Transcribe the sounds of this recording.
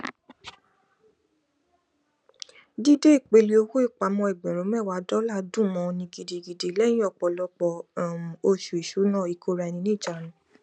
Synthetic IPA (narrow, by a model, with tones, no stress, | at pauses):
di˦de˦i˦˨k͡pe˨˧˦li˧o˧ho˦i˦˨k͡pa˨˦mɔ̃˧ɛ˨ɡ͡bɛ̃˨ɾõ˨˦mɛ˦˨wa˧˦dɔ˦la˦˨dũ˦˨mɔ̃˨˧nĩ˧ɡi˧de˧ɡi˧de˧lɛ̃˦ĩ˦ɔ˦˨k͡pɔ˨lɔ˧˦k͡pɔ˧˨ | o˧ʃu˨i˨ʃu˨˦nã˦˨i˨˧˨kʰo˨˦ɾa˧˨˧nĩ˧nĩ˦˨d͡ʒa˨nũ˨˦